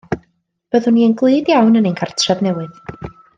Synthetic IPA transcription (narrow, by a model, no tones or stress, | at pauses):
b̥əðhʊniːənɡlˠɨːdjawnənejnkʰartʰrɛvnɛwɨð